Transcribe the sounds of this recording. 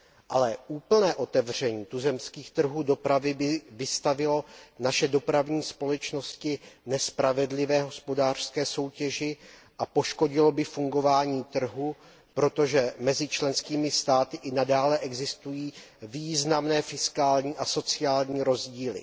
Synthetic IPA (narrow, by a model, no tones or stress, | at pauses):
ʔalɛʔuːpl̩nɛːʔo̞t̪ɛvr̝ɛɲiːt̪uzɛmskiːxt̪r̩ɦuːdo̞pɾavɪbɪvɪst̪avɪlo̞naʃɛdo̞pɾavɲiːspo̞lɛt͡ʃno̞scɪnɛspɾavɛdlɪvɛːɦo̞spo̞daːr̥skɛːso̞wcɛʒɪ | ʔapo̞ʃko̞ɟɪlo̞bɪfuŋɡo̞vaːɲiːt̪r̩ɦu | pɾo̞t̪o̞ʒɛmɛzɪt͡ʃlɛnskiːmɪst̪aːt̪ɪʔɪnadaːlɛʔɛɡzɪst̪ujiːviːznamnɛːfɪskaːlɲiːʔaso̞t͡sɪaːlɲiːɾo̞zɟiːlɪ̰